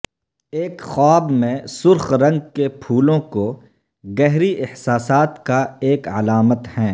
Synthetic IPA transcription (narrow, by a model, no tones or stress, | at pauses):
eːkxɔːbmẽsʊɾxɾɐ̃ŋɡkepʰuːlõko | ɡɛɦɾiʔɪhsaːsaːt̪kaeːkɐlaːmət̪hɛ̃ː